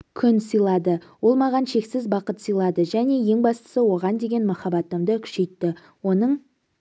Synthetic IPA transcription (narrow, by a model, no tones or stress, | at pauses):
kʲʰʏnsəjlˠɑd̪əwo̞lˠmɑʁɑnʃe̞ksɪzbɑqət̪səjlˠɑd̪əʒæne̞je̞ŋbɑst̪ə̥səwo̞ʁɑnd̪e̞ɡʲe̞nmɑχɑbɑt̪ːəmd̪əkʲʰʏ̥ʃe̞jt̪ːɪ | wo̞nəɴ